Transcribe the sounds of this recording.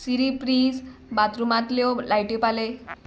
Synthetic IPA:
siɾipɾisbat̪ɾumat̪ljɔlajʈipale

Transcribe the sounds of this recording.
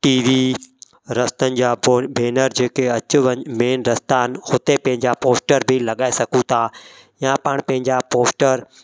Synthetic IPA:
ʈiːʋi | ɾɐst̪ənɪ̆d͡ʑaːbʱeːnəɾd͡ʑeːkeɐt͡ɕʊʋəɲmeːnɾɐst̪aːnhʊt̪epɐ̃ɦɪ̃ɲd͡ʑapoːsʈəɾbʱilɐɠaːesɐkũt̪ʰaː | jãpaɽ̃pɐ̃ɦɪ̃ɲd͡ʑapoːsʈəɾ

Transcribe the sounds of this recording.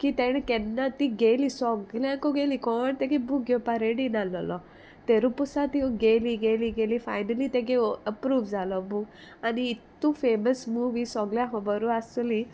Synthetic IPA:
kit̪ɛɽ̃kɛnːat̪iɡelisɔɡljãkɔɡelikɔɳt̪ekebuɡepaɾeɽinalɔlɔ | t̪eɾupusat̪ioɡeliɡeliɡelifajnəlit̪eɡ̬eəpɾuːʋd͡zalɔbu | aniːt̪ːufeməsmuʋisɔɡljãɦɔ̃bəɾuasli

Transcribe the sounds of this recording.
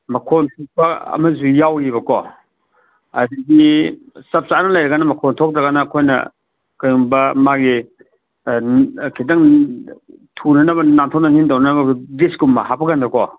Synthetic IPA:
mɐkʰontʰok̚pɐɐ̰mɐzujawjiβɐkɔ | ɐ̰diɡisɐp̚sanɐlajɾɐɡanɐmɐkʰɔntʰok̚dɾɐɡanɐːkʰojnɐ̰ | kajuŋbɐmaɡi | kʰidaŋ | tʰunɐnɐbɐnantʰɔnɐnindawnɐnɐbɐɡibisɡumːɐɦapʰɐɡandɾɐkɔ

